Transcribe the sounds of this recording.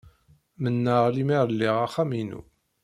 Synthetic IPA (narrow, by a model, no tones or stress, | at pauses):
mənːəʁlimiɾˤəlːiʁaχæminṵ